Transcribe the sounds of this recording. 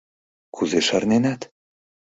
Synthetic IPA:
kʰuzeʃarnenat̪

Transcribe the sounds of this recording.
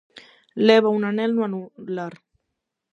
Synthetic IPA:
leβaunanelnwanulaɾ

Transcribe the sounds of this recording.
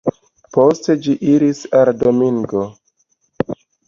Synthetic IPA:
po̞ste̞d͡ʒiʔiɾisaldo̞miŋɡo̞

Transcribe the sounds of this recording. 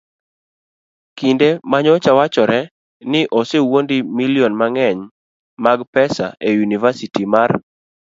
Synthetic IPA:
kindemaɲɔt͡ʃawat͡ʃɔɾɛ | nɪʔɔsewondimiliɔnmaŋɛɲ | maɡpɛsa̰ʔejunivasitimar

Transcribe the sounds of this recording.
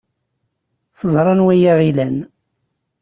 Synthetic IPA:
θəzˤɾˤɑnwæjæʁilæn

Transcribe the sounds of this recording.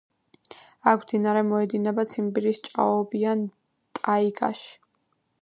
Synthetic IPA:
akʰwd̪inaɾɛmɔɛd̪inɛbat̪sʰimbiɾist͡ʃʼa̰ɔbian | t̪ʼaiɡa̰ʃi̥

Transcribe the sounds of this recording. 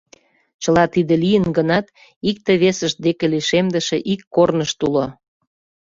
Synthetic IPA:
t͡ɕəlɑt̪id̪ĕlijənɡənɑt̪ | ik̚t̪eβesəʃ̚d̪ekeliʃemd̪əʃeʔikːornəʃt̪ulo

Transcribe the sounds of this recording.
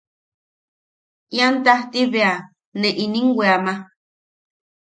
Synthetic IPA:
jant̪aht̪iβea | nẽʔinĩŋɡʷeama

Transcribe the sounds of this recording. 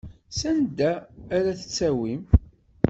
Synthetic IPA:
sænd̪æːɾæθə̥t͡sːæwim

